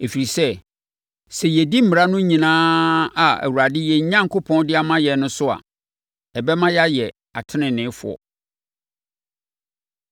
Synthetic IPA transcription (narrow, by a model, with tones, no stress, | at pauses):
e˨fi˨ɾi˨sɛ˦ | sɛ˨jɛ˨di˦m̩˦˨mɪ˨ɾa˦nʊ̃˦ɲĩ˨nãː˦a˨æ̰˨wu˨ɾa˨dɪ˦jɛ˨ɲ˦ɲã˦ŋ˨kʰʊ˦pʰɔ̃˦ndɪ˦a˦mã˦jɛ˨˦nʊ̃˦sʊ˦a̰˨ | ɛ˨bɛ˦mã˦ja˦jɛ˨ | a̰˨tʰɪ˦nɪ̃˨nɪ̃ː˨˦fʊ̰˨ɔ̰˨